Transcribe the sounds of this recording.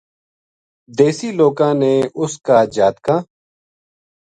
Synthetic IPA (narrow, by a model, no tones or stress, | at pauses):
d̪eːsiːloːkãːneːʔʊskaːd͡ʒaːt̪kãː